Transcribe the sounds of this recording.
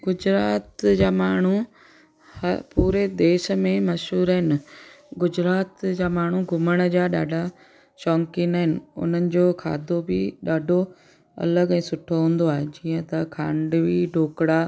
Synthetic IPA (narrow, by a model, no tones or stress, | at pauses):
ɡʊd͡ʑɾaːt̪d͡ʑaːmaːɳ̤u | hɐpuːɾed̪eːʃə̆mẽmɐʃɦuːɾəɦɪnɪ̆ | ɡʊd͡ʑɾaːt̪d͡ʑaːmaːɳ̤uɡʱʊməɽ̃d͡ʑaːɗaːɖʱa | ʃɔːŋkinaːɦɪnɪ̆ʊ̰n̤ənɪ̆d͡ʑoːkʰa̰ːd̪ʱobɪɗaːɖʱo | ɐ̰ləɡɛ̃ːsʊʈʰoɦũːn̆d̪oaːɦed͡ʑiːə̃t̪ɐkʰã̰ːɳɖʋiɖʱoːkɽa